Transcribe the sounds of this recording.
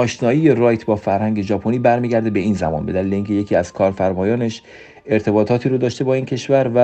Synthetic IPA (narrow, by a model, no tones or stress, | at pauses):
ɒːʃnɒːiːjerɒːjt̪ʰbɒːfæɾhæŋɟʲe̞d͡ʒɒːpʰoniːbæɾmiːɟæɾd̪ebe̞iːnzæ̰mɒ̰nbe̞d̪æliːleiːŋcʰʲe̞je̞cʰiːæz̥kʰɒːɾfæɾmɒːjɒːne̞ʃ | e̞ɾt̪ʰe̞bɒːt̪ʰɒːt̪ʰiːɾod̪ɒːʃt̪e̞bɒːincʰe̞ʃvæɾvæ